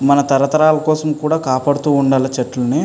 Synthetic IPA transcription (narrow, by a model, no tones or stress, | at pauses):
mɐnɐt̪ɐɾɐt̪ɐɾaːlɐkɔːsɐmkuːɽaːkaːpaːɽut̪uːɳɖaːlɐt͡ʃɐʈːlɐni